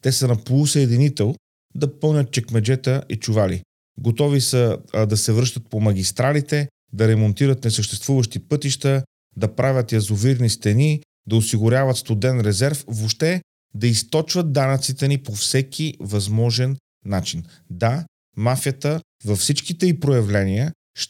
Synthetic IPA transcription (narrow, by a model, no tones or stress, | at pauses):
t̪ɛsənɐpolˠusɛːd̪init̪ɛlˠ | d̪ɐpɤlˠnʲət̪̚t͡ʃɛkmɛd͡ʒɛt̪əʔit͡ʃuvalḭ | ɡot̪ɔvisəd̪ɐsɛvɾɤʃt̪ət̪̚pomɐɡ̟ʲist̪ɾalit̪ɛ | d̪ɐɾɛmont̪iɾət̪nɛsəʃt̪ɛst̪vuvəʃt̪ipɤt̪iʃt̪ə | d̪ɐpɾʔavʲjət̪jɐzʊviɾnist̪ɛni | d̪ɐosiɡʊɾʲavət̪st̪od̪ɛnɾɛzɛɾfvoʃt̪ɛ | d̪ɐist̪ɔt͡ʃvət̪̚d̪anət̪sit̪ɛnipofsɛk̟ʰʲivɐzmɔʒɛnː | at͡ʃin | d̪a | mafjət̪ə | vɐfsit͡ʃkit̪ɛipɾojɐvlɛniə | ʃ